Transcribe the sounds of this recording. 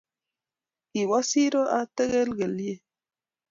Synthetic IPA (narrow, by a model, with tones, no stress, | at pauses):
i˨wa˦si˦ɾo˦ʔa˦te˦ɣe˦lɡe˨lje˦˨